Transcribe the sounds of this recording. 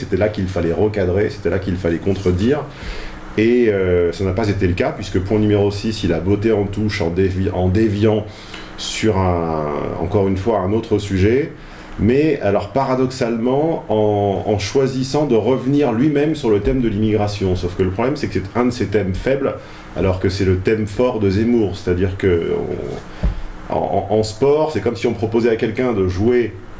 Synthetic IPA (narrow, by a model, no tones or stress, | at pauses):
set̪ɛlakʲilfalɛʁəkad̪ʁese̥t̪ɛlakʲilfalɛkɔ̃t̪χəd̪iːʁ | eøsanapazet̪eləkapɥiskəpwɛ̃nymeʁosisilabot̪eɑ̃t̪uʃɑ̃d̪evɑ̃d̪evjɑ̃ | syʁɛ̃ɑ̰̃kɔʁynfwaɛ̃not̪χəsyʒɛ | mɛalɔʁpaʁad̪ɔksalmɑ̃ɑ̃ɑ̰̃ʃwazisɑ̃d̪əʁəvniʁlɥimɛmsyʁlət̪ɛmd̪əlimiɡʁasjɔ̃sofkələpχɔblɛmsɛkə̥sɛt̪ɛ̃d̪əset̪ɛmfɛbl | a̰lɔʁkəsɛlət̪ɛmfɔʁd̪əzemuʁse̥t̪ad̪iʁkəɔ̰̃ | ɑ̰̃ʔɑ̃spɔʁsɛkɔmsiɔ̃pχɔpozɛakʲɛlkʲɛ̃d̪əʒuwe